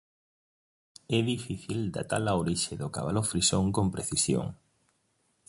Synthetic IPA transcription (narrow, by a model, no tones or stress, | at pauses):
ɛðifiθild̪a̰t̪alaoɾiʃɪðʊka̰βalofɾisoŋkompɾeθisjo̰ŋ